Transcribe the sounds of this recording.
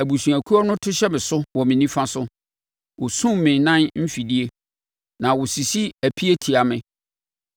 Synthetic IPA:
æ˨bu˨sũ˨æ˨kʰu˦ɔ˦nʊ̃˦tʰʊ˦ɕɛ˦mɪ̃˨sʊ˦wɔ˨mɪ̃˨nĩ˦fã˦sʊ˦ | wʊ˨sũ˦m˨mɪ̃˨nã˦nm̩˦fi˨di˦e˦ | nã˨wʊ˨si˨si˦æ˨pʰi˦e˦tʰi˨a˨mɪ̃˨

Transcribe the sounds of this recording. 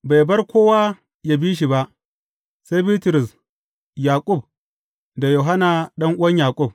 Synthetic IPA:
ba˨jbɐ˦rkʷoː˦waː˦ | jaː˦biː˦ʃ̬i˨ba˦ʔ | se˦biː˦tɾʊ˨s | jaː˨kʷʼʊ˦˨b̚ | da˨jo˨ɦa˦na˨ɗɐ˦ŋʔʊ˦wɐ˦ɲjaː˨kʼʊ˦˨b̚

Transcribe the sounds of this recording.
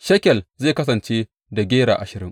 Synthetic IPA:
ʃɐ˦kʲɛ˨lzeː˦˨kɐ˦s̬ɐ˨nt͡ʃe˦ | da˨ɡʲeː˦ɾa̰ː˨ʔa˨ʃɪ˨ɾɪ˦ŋ

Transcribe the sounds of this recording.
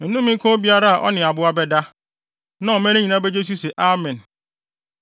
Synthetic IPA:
n̩˨nʊ̃˦mĩ˦kʰɔ̃˦bi˦a˦ɾa˦a˨ʔɔ̰˦nɪ̃˨a˨bʊ˦a˦bɛ˦da˦ | nã˦ɔ˨mɛ̃˦ñɪ̃˦ɲĩ˨nã˦bɛ˦d͡ʑe˦t͡ɕ̬u˦sɛ˨ʔa˦mɛ̃˨n

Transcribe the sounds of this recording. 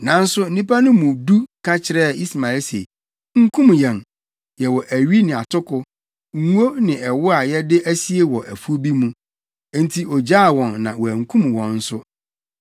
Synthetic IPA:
nã˨n̩˦sʊ˦n̩˦nĩ˦pa˦nʊ̃˦mũ˨du˦kʰa˦t͡ɕʰɪ˨ɾɛ˦˨i˦sma˨˦lse˨i˨ | ŋ̩˦kʰũ˦mjɛ̃˨n | jɛ˨wɔ˨ʔæ˨ɥi˦nɪ̃˨a˨tʰʊ˦kʰʊ˦ | ŋ̩˦o˦nɪ̃˨ɛ˨wʊ˦a˨jɛ˦dɪ˦ʔæ˦si˦e˦wɔ˨ʔæ˨fu˦bi˦mũ˦ | n˦tʰi˦ɔ˨d͡ʑa˦˨wɔ̃˨nːã̰˨wɔ˨æ˨ŋ̩˨kʰũ˦mwɔ̃˨nn̩˦sʊ˦

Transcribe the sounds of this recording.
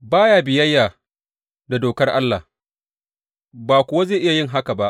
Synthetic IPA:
baː˦jaː˨bɪ˨jɐ˦jːaː˨ | da˨doː˨kɐ˦rʔa̰˦lːa̰˨ | baː˨kʷʊ˨wa˦zeː˦˨ʔɪ˦ja˨jɪ˦ŋɦa˦ka˨ba˦ʔ

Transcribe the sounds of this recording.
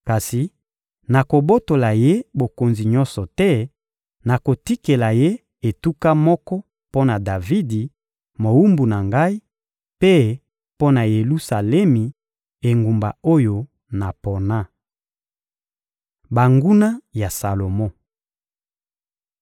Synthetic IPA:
ka˨si˨ | na˨ko˨bo˦to˨la˨je˦bo˨ko˨nzi˨ɲɔ̃˦nsɔ˨tɛ˦ | na˨ko˨ti˦ke˨la˨je˦ | e˨tu˦ka˦mɔ˦kɔ˦ | po˦na˨da˨vi˦di˨ | mo˨wu˦mbu˨na˨ŋɡa˦i˦ | pe˦ | po˦na˨je˨lu˦sa˨lɛ˦mi˨ | e˨ŋɡu˨mba̰˨o˦jo˨ | na˨pɔ˨na˦˨ | ba˨ŋɡu˦na˦ja˨sa˨lo˨mɔ˦

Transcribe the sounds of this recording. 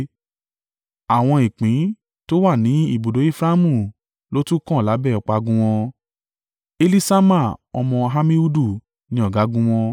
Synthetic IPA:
a˨w̃ɔ̃˧i˨k͡pĩ˨˦ | to˦wa˦˨nĩ˨˦i˦˨bo˨do˨˦e˦fɾa˦mũ˦˨ | lo˦tũ˦kɔ̃˦˨la˨˦bɛ˦˨ɔ˨˧k͡pa˧ɡũ˦w̃ɔ̃˧ | e˧li˦sa˦ma˦˨ɔ̰˧mɔ̃˧ɦa˦mĩ˦u˦du˦˨ | nĩ˧˦ɔ˦˨ɡa˨˦ɡũ˦w̃ɔ̃˧

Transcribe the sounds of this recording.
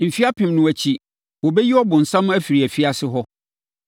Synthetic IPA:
m̩˨fi˦a˦pʰɪ̃˨mnʊ̃˨æ˨t͡ɕʰi˨ | wɔ˨bɛ˦ji˦ɔ˦bʊ̃˨n̩˨sã˦m˦æ˦fi˨ɾi˨æ˨fi˦a˦sɪ˦ɦɔ˦

